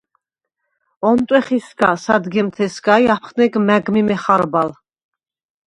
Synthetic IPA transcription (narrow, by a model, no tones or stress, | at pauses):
ɔnt̪ʼwɛχisɡasad̪ɡɛmt̪ʰɛsɡaiapʰχnɛɡmæɡmimɛχaɾbal